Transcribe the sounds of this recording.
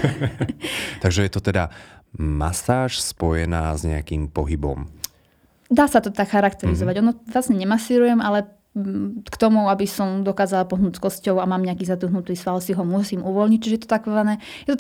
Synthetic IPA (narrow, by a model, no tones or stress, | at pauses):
t̪aɡʒɛjɛt̪ɔt̪ɛd̪ama̰saːʃspɔjɛnaːzɲɛ̰akiːmpɔɦibɔ̰m | d̪aːsat̪ɔt̪akxaɾakt̪ɛɾizɔʋaɟɔnɔʋlasɲɛɲɛmasiːɾujɛmʔalɛ | kt̪ɔmuabisɔmd̪ɔkaːzalapɔɦnuːt͡skɔscɔʊamaːmɲɛakiːzad̪uɦnut̪iːsfalsiɦɔmʊɔsiːmuʋɔlɲic̚t͡ʃiʒɛjɛt̪ɔ̥t̪akɔanɛː | jɛt̪ɔ